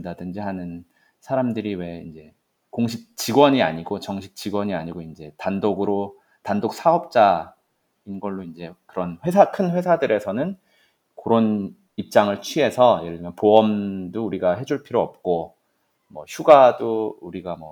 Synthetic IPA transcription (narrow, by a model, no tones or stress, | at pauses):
dadɯnd͡ʑiɦanɯn | sʰaɾamdɯɾiwe̞ind͡ʑe̞ | koŋɕʰik̚t͡ɕiɡwʌɲia̰ɲiɡot͡ɕʌŋɕʰi̥k̚t͡ɕ͈iɡwʌɲiaɲiɡoind͡ʑe̞tandoɡɯɾo | tandok̚sʰaʌp̚t͡ɕ͈a | inɡʌɭːoind͡ʑe̞kɯɾʌnɸwe̞sʰakʰɯnɸwe̞sʰadɯɾʔe̞sʰʌnɯn | koɾon | ip̚t͡ɕ͈aŋɯɭt͡ɕʰɥie̞sʰʌjeɭːimjʌnpoʌmdouɾiɡaɦe̞d͡ʑuɭpʰiɾoʌp̚k͈o | mʌ̰çʰuɡadouɾiɡamwʌ